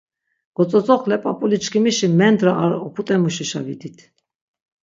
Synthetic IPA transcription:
ɡ̥ɔt͡sʼɔt͡sʼɔχlɛpʼapʼulit͡ʃkʰimiʃimɛnd̪ɾaʔaɾɔpʰut̪ʼɛmuʃiʃa̰vid̪it̪ʰ

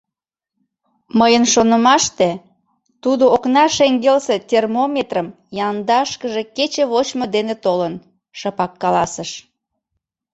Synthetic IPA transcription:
məjənʃonəmɑʃt̪e | t̪ud̪ooknɑʃeŋɡelset̪ʲermomʲet̪rəm | jɑnd̪ɑʃkəʒeket͡ɕeβot͡ɕməd̪enet̪olən | ʃəpɑkːɑlɑsəʃ

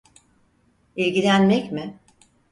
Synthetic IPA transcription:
ilʲɟilʲænmɛcmɪ

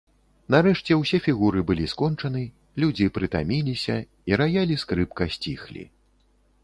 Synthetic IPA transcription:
nɐɾɛʂt͡sʲɛwsʲɛfʲiɣuɾɨbɨlʲiskɔnt͡ʂɐnɨ | lʲud͡zʲipɾɨt̪a̰mʲilʲisʲɐ | iɾajalʲiskɾɨpkɐsʲt͡sʲixlʲḭ

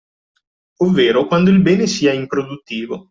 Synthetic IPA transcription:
ovːeːɾokwand̪oilbɛːnesiːaimpɾod̪ut̪ːiːvo

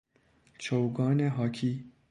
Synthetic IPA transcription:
t͡ʃʰowɡɑːneɦɑːkʰi

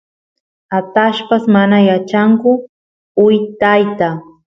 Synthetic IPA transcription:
at̪aʃpasmanajat͡ʃaŋkʊ | ʊjt̪ajt̪a

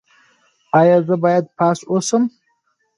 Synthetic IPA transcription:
ɑjɑzəbɑjad̪̚pʰɑsosəm

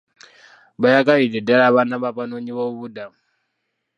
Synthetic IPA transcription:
bajakaβidɛdaɺaβanaβapanoɲiβoβudam

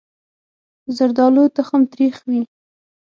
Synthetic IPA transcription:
zaɾd̪ɑlot̪axamt̪ɾixwi

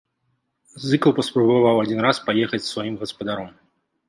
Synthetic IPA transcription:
zɨklˠpɐspɾɐbavawad͡zʲinɾaspajɛxɐt͡sʲsvajimɣɐspɐd̪aɾɔm

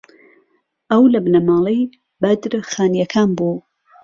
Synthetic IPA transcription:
ɐwlɐbnɐmaːlˠej | bɐd̪ɾxaːnjɐkʰaːnbuː

